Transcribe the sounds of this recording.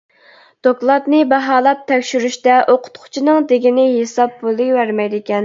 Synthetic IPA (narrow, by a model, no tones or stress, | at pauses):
d̪̥oklˠɑt̪nɪbɑɦɑːlˠɑp̚t̪ʰɛkʲʃyɾyʃt̪ɛʔoqʰʊ̥t̪qʰʊ̥t͡ʃʰinɨŋd̪eɡʲinɪɦesɑb̚bolˠɨjwæɾmɛjd̪ekʲɛn